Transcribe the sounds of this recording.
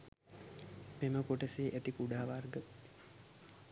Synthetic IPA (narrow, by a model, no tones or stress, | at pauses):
meməkoʈəseːʔet̪ikuɖaːʋarɡə